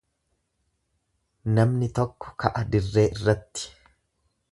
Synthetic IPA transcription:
nɐmnɪt̪ɔkːɔ̥kʰɐʔɐd̪ɪrːe̞ːʔɪrːɐt̪ːɪ̥

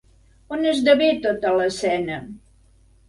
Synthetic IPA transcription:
onəzðəβet̪ot̪ələsɛnə

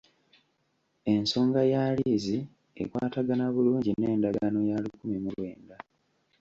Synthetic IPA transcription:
e̞nso̞ːŋɡajaːlizi | ḛkwa̰ːtaɡanaβuluːɲɟine̞ːndaɡano̞jaːlikumimulwe̞ːnda

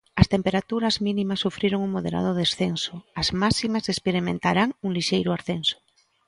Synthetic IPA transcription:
ast̪empeɾat̪uɾazmĩnĩmasːufɾiɾoŋuŋmoðḛɾa̰ðoðesθensoazmasimasespeɾimẽnt̪aɾaŋuŋliʃejɾoaɾθenso̥

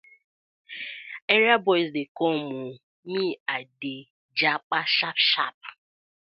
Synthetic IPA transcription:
ɛɾjabɔjsdekɔmʊ | miade | d͡ʒak͡paʃapʃap̚

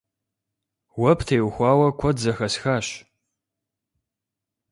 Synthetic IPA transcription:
wɐpʰtʰeːwxʷɑːwɐkʷʰɔdzɐxɐsxaːɕ

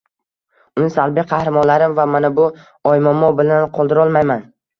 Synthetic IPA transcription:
ʊnɪsalˠbɪqʰɑhɾɪmɒnlaɾɪmvamanabʊ | ɒjmamɒbɪlanqʰɒlˠd̪ɪɾɒlˠmajman

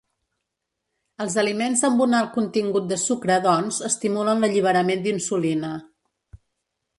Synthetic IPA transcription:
əlˠzəlimenzðəmbunalˠkunt̪iŋɡut̪̚d̪əsukɾəðɔnzəst̪imulənləʎiβ̞əɾəmend̪insulinə

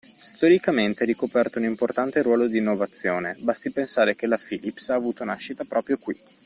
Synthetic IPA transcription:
st̪oɾikament̪eɾikopɛrt̪ounimport̪ant̪eɾwɔːlod̪iːnːovat̪sːjoːnebast̪ipensaːɾek̟elafiːlipsaːvuːt̪onaʃːit̪apɾɔːpɾjokwḭ

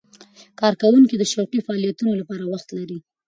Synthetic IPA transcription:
kɑɾkawuŋkid̪əʃawqifaɑlijat̪unolapɑɾawaxt̪laɾi

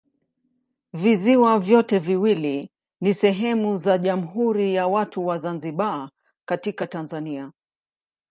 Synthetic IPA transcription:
viziwavjɔtɛviwili | nisɛɦɛmuzaʄam̩ɦuɾijawatuwazanziɓa | katikatanzania

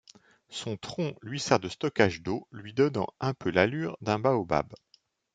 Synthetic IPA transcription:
sɔ̃t̪χɔ̃lɥisɛʁd̪əst̪ɔkaʒd̪olɥid̪ɔnɑ̰̃ɛ̃pølalyːʁd̪ɛ̃baoba̰b

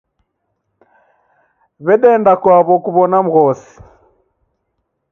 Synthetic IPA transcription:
βɛɗɛndakwaβɔkuβɔnam̩ɣɔsi̥

